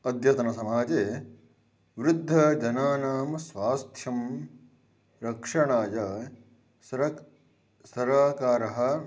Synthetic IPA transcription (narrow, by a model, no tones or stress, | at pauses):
ɐd̪jɐt̪ɐnɐsɐmaːd͡ʒeː | ʋɾud̪ʱːɐd͡ʒɐnaːnaːmɐsʋaːst̪ʰjɐm | ɾɐkʂɐɳaːjɐ | sɐ | sɐɾaːkaːɾɐɦɐ̆